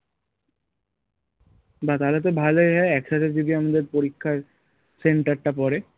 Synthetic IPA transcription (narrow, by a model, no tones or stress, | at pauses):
bat̪alat̪obʱalojɦɔeɛkʃat̪ʰed͡ʑod̪iamad̪eɾpoɾikʰːaɾ | seɳʈaɾʈapɔɾe